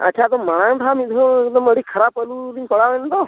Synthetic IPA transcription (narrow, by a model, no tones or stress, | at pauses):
ə̰t͡ʃʰat̪ɔməɽ̃aũʈʰamid̪ʱod̪ɔməɽikʰəɾapəlud̪inpɔɽaʋɛnt̪ɔ